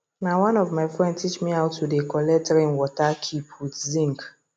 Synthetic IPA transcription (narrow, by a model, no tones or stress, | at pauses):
nawãnɔvmaɪfɹɛ̃ndstʰit͡ʃmiaʊtʰːudekɔlɛtɛɹĩnwɔtakʰipʰwidzĩŋk